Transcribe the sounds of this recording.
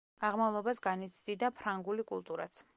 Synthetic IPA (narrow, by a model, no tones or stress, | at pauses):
aʁmavlˠɔbasɡanit̪sʰd̪id̪apʰɾaŋɡulikʼṵlˠt̪ʼuɾa̰t̪sʰ